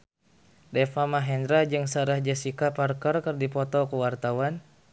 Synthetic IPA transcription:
dɛfamaɦɛndɾad͡ʒɨŋsaɾahd͡ʒasikaparkərkərdipɔt̪ɔkuwart̪awan

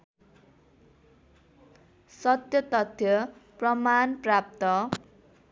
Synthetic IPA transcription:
sʌt̪jʌt̪ʌt̪ʰjʌprʌmanprap̚t̪ʌ

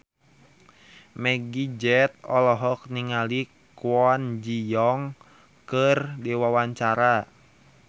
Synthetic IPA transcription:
mɛɡid͡ʒɛt̪̚ɔlɔɦɔk̚niŋali | kwɔnd͡ʒijɔŋ | kərdiwawaɲt͡ʃaɾa

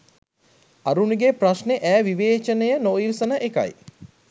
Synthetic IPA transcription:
aɾunuɡepraʃneʔæːʋiʋeːt͡ʃənejənoːilsənəʔeka̰j

